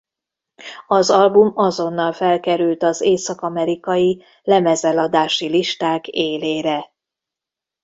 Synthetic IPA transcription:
ɒzɒlbumɒzo̞nːɒlfɛlkɛɾylt̪ɒzeːsɒkɒmɛɾikɒji | lɛmɛzɛlɒd̪aːʃiliʃt̪aːkeːleːɾɛ

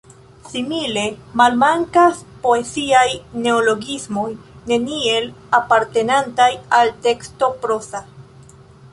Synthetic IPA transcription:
simile̞malmaŋkaspo̞e̞ziajne̞olo̞ɡismo̞jne̞nie̞lapaɾte̞nantajalte̞ksto̞pɾo̞sa

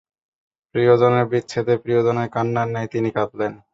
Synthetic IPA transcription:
pɾiod͡ʑoneɾbitːɕʰet̪epɾijod͡ʑonekanːanːɛjt̪inikat̪len

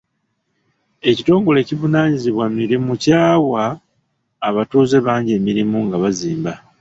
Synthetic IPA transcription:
e̞cito̞ːŋɡo̞le̞ːcivunaːɲiziβwamiɾimucaːwaː | βatuːze̞βaːɲɟemiɾimuŋɡaβaziːmba

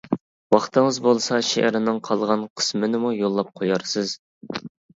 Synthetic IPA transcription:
wɑχt̪ʰɨŋəzbolˠsɑʃḛʔɾɪnɨŋqʰɑlˠʁɑnqʰə̥smɪnɪmujolˠːɑp̚qʰojɑɾsɨz

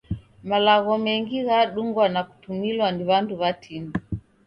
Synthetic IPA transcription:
malaɣɔmɛŋɡiɣaɗuŋɡwanaku̥tumilwaniβanduβatʰinu

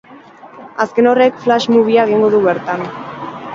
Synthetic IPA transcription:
aske̞no̞re̞kflaʃmuβ̞iaeɣ̞iŋɡo̞ðuβe̞ɾt̪an

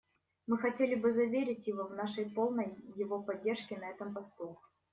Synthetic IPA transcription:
mɨxɐtʲelʲɪbɨzɐvʲeɾʲɪtʲjɪvovnaʂəjpo̞lˠnəjːɪvo̞pɐdʲːerʂkʲɪnɐɛt̪əmpɐst̪u

